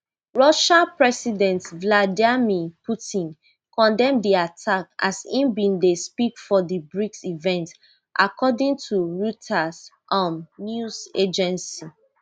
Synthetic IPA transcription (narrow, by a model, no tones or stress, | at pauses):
ɹɔʃãpɹɛsidɛ̃ntvladimipʰutĩn | kʰɔ̃ndɛ̃mdiatʰaka̰sĩmbĩndespikfɔdibɹiksivɛ̃nt | ʔakɔdĩŋtʰuɹutʰas | ʔãmnjused͡ʒɛ̃nsi